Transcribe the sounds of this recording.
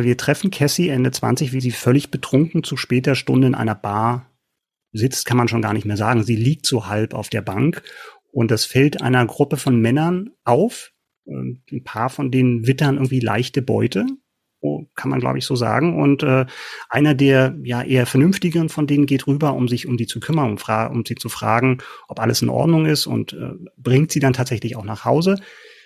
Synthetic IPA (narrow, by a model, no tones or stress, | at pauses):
viːɐtʁ̥ɛfn̩kʰɛsiʔɛndət͡sv̥a̰nt͡sɪçv̥iːziːfœlɪçb̥ətʁ̥ʊŋkŋ̩t͡suʃpɛːt̚ɐʃtʊndəɪnʔa̰ɪnɐb̥aːɐ | zɪt͡stkʰanmanʃoːnɡaːɐnɪçtmeːɐzaːɡŋ̩ziːliːk̚tz̥oːhalpa̰ʊfd̥eːɐbaŋk | ʔʊnt̚d̥asfɛltʔa̰ɪnɐɡʁʊpəfɔnmɛnɐnʔaʊf | ʔɛ̰ːn̩pʰaːɐfɔndeːnənvɪtɐnʔɪɡŋ̩tv̥iːla̰ɪçtəbɔ̰ʏtə | kʰanma̰nɡla̰ʊbəɪçz̥oːza̰ːɡŋ̩ʔʊ̰ntʔɛːʔaɪnɐdeːɐjaːʔeːɐfɛɐnʏnftɪɡəʁənfɔndeːnənɡeːtʁyːbɐʔʊmzɪçʊmziːt͡sukʰʏmɐnʊmfʁ̥aːʔʊ̰mz̥iːt͡sufʁ̥a̰ːɡŋ̩ʔɔpʔa̰ləsɪnʔɔ̰ɐdnʊŋɪstʊ̰ntʔɛ̰ːb̥ʁɪŋtz̥iːdantʰaːtz̥ɛçlɪçaʊxnaːχhaʊzə